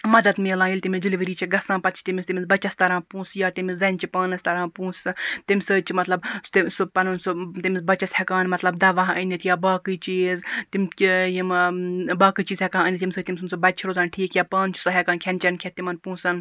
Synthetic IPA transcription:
mɐd̪ɐt̪meːlãːjilʲt̪imʲid͡ʒiliʋiɾiːt͡ʃʰiɡɐsãːpɐt̪t͡ʃʰi̥t̪imʲisʲt̪imʲizbɐt͡ʃɐst̪ɐɾãːpũːsjaːt̪imizɐnʲt͡ʃipaːnɐsʲt̪ɐɾãːpũːst̪imʲsɨːt͡ʃʰimɐt̪lɐbst̪isupɐnɐnsot̪imʲizbɐt͡ʃɐshɐkaːnmɐt̪lɐbd̪ɐʋaːɦʔɐnʲit̪ʰjaːbaːkɨt͡ʃiːzt̪imʲijimbaːkɨt͡ʃiːzhɛkãːənʲit̪ʲimsɨːt̪imʲsɨmsɨbɐt͡ʃʰiɾoːzaːnʈʰiːkjaːpaːnt͡ʃʰi̥sɐɦɛkaːnkʰent͡ʃɐnkʰet̪imɐnpũːsɐn

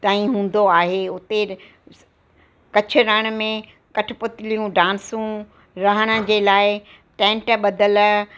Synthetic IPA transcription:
t̪aːĩɦũːn̆d̪oaːɦeʊt̪e | kɐt͡ɕʰʊ̆ɾɐɽ̃mẽ | kɐʈʰɪ̆pʊt̪ɪlijũɖãːnsũ | ɾɐɦəɽ̃ə̆d͡ʑeːlaːɪ | ʈẽːɳʈɓɐd̪əl

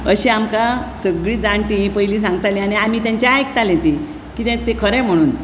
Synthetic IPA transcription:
əɕiamkasəɡɭiːd͡zãɳʈipəjliːs̬ãŋɡt̪ajliañiam̤iːt̪jaɲt͡ɕaajk̚t̪alẽt̪i | kit̪ẽt̪ekʰəɾɛ̃m̤əɽ̃uːn

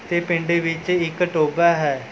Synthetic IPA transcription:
t̪eːpɪ̃ɳɖeːʋɪt͡ʃɪkəʈoːbaːɦɛː

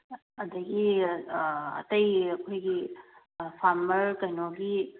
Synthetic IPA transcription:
ɐdɐɡi | ɐ̰tɐjɐkʰojɡi | pʰaɾmɐɾkɐjnoɡi

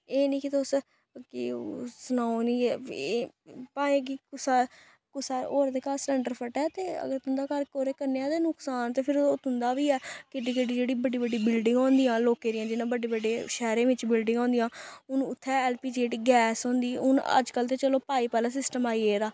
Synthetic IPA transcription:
eːnĩːkɪt̪os | kɪsənaːonĩː | paːẽːɡikʊsaː | kʊsaːoːɾd̪eːkaːsʈəɳɖəɾpʰəʈɛːt̪eːə̰ɡəɾt̪ʊnd̪aːkəɾkoːɾeːkəɾneːãːd̪eːnʊksaːnt̪eːpʰɪɾt̪ʰʊnd̪aːʋiːɛːkɪɖikeɖiːd͡ʒeːɽiːbəɖiːbəɖːiːbɪlɖɪ̃ŋɡɔːnd̪iːjãːloːkeːɾɪjãːd͡ʒɪnãːbəɖeːbəɖeːʃɛːɾẽːʋɪt͡ʃbɪlɖɪ̃ŋɡɔ̃ːnd̪ijãːʊnːʊt̪ʰːɛːɛːlpiːd͡ʒeːʈɡɛːsɔ̃ːnd̪iːʊ̰nə̰d͡ʒkəlt̪̬eːt͡ʃəloːpaːiːpɛːlaːs̬ɪsʈəmaːieːɾaː

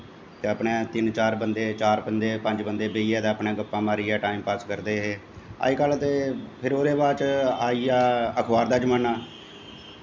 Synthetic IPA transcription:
t̪eːəpɳẽːt̪ɪnt͡ʃaːɾbənd̪eːt͡ʃaːɾbənd̪eːpə̃ɲd͡ʒbənd̪eːbeiːɛːd̪aːəpɳẽːɡəpːãːmaːɾiːɛːʈaːimpaːskəɾd̪eːɦeː | a̰ːiːkəlt̪eːpʰɪɾoːɾeːbaːt͡ʃaːiːaːəkʰbaːɾd̪aːd͡ʒəmaːnaː

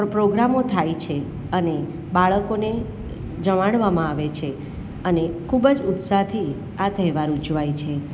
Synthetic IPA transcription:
ɾpɾoɡɾamot̪ʰajt͡ʃʰe | əne | baɭəkone | d͡ʒəmaɽʋamãaʋet͡ʃʰe | ənekʰubəd͡ʒʊt̪sat̪ʰi | at̪əɦɛʋaɾud͡ʒʋajt͡ʃʰe

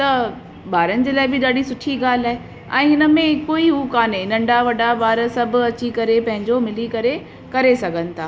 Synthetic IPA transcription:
t̪ɐ | baːɾənɪ̆d͡ʑeːlaːɪbɪɗaːɽisʊʈʰiɡaːl̤aːɦe | ɛ̰̃ːɦɪnə̆mẽkoːiuːkaːneɪnɐ̃ɳɖaʋɐɖabaːɾsɐbʱʊɐt͡ɕikɐɾepɐ̃ɦɪ̃ɲd͡ʑomɪlikɐɾe | kɐɾesɐɡʱənɪ̆t̪ʰaː

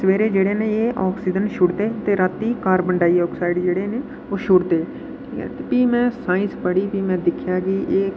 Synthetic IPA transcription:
səʋeːɾeːd͡ʒeːɽeːneːeːʔɔːksiːd͡ʒənʃʊɽd̪eːt̪eːɾat̪ːiːkaːɾbəɳɖaːiːɔːksaːɪɖd͡ʒeːɽeːneː | oːʃʊɽd̪eː | ʈʰiːkɛ̰ːt̪epiːmɛ̃ːsaːĩːspəɽiːpiːmɛ̃ːd̪ɪkʰːjaːɡiːʔeː

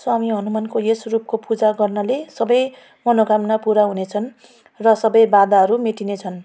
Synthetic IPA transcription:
soamiɦʌnumankoesrup̚kopud͡zaɡʌrnʌlesʌbʌj | mʌnoɡamnapuɾaɦunet͡sʰʌn | rʌsʌbʌjbad̪aɦʌɾumeʈinet͡sʰʌn

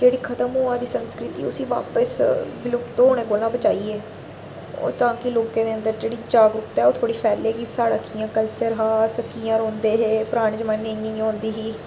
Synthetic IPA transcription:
d͡ʒeːɽiːkʰət̪əmɦoːãːd̪iːsənskɾɪt̪iːʊ̰sĩːʋa̰ːpəsʋɪlʊkt̪oːoːɽ̃ẽːkoːlãːbət͡ʃaːiːeː | o̰ːt̪ãːkɪloːkẽːd̪eːə̃nd̪əɾd͡ʒeːɽiːd͡ʒaːɡɾʊt̪ɛːoːt̪ʰoːɽiːpʰɛːɾleːkiːsaːɽaːkiːjãːkəlt͡ʃəɾɦaːsəkːiːãːɾõːnd̪eːɦeːpɾaːɽ̃ẽːd͡ʒəmaneiːõːnd̪iːɦiː

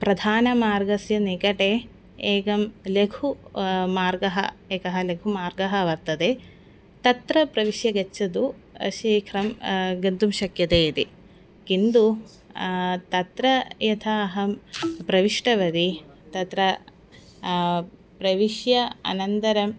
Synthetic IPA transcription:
pɾɐd̪ʱaːnɐmaːɾɡɐsjɐnikɐʈe | eːɡɐmleɡʰumaːɾɡɐɦɐ̰eːkɐɦɐleɡʰʱumaːɾɡɐɦɐɐʋɐɾt̪ɐd̪e | t̪ɐt̪ɾɐpɾɐʋiʃjɐɡɐt͡ʃːɐd̪uɐ̰ʃiːkʰɾɐmɡɐnt̪umʃɐkjɐt̪eːit̪i | kind̪u | t̪ɐt̪ɾɐjɐt̪ʰɐɦɐpɾɐʋiʂʈɐʋɐd̪i | t̪ɐt̪ɾɐ | pɾɐʋiʂjɐɐ̰nɐnt̪ɐɾɐm

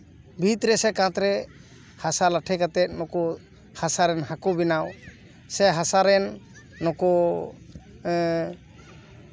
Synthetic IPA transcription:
bʱit̪ɾɛsɛkãt̪ɾɛ | hasalaʈʰɛkat̪ɛt̪̚nɔkɔ | hasaɾɛnhakɔbinaw | sɛɦasaɾɛnː | ɔkɔ

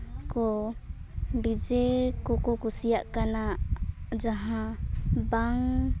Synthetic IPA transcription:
kɔ | ɖid͡ʒɛkɔkɔkusijaʔkana | d͡ʒaɦãbaŋ

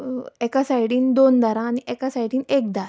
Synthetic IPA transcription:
ekasajɽiːnd̪ond̪aɾãːniʔekasajɽiːnek̚d̪aɾa

